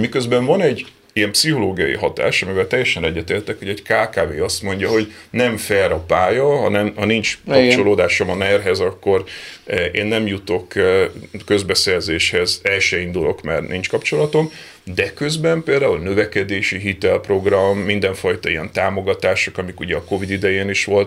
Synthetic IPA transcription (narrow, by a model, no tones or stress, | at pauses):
mikøzbɛɱvɒnɛɟː | ijɛmpsiho̞loːɡijɒjḭɦɒt̪a̰ːʃɒmivɛlt̪ɛjːɛʃɛnɛɟːɛt̪eːlt̪ɛkho̞ɟɛckaːkaːveːɒst̪mo̞ɲɟɒɦo̞ɟnɛɱfɛɾɒpaːjɒɦɒnɛmhɒnint͡ʃkɒpt͡ʃo̞loːd̪aːʃo̞mɒnɛrɦɛzɒkːo̞rʔeːnːɛmjut̪o̞k | kø̞zbɛsɛrzeːʃhɛzɛlʃɛind̪ulo̞̰kmɛ̰rnint͡ʃkɒpt͡ʃo̞lɒt̪o̞m | d̪ɛkø̞zbɛmpeːld̪aːulnø̞vɛkɛd̪eːʃiɦit̪ɛlpro̞ɡrɒmːind̪ɛɱfɒjt̪ɒijɛnt̪aːmo̞ɡɒt̪aːʃokɒmikuɟɛɒko̞vid̪id̪ɛjeːniʃʋo̞lt̪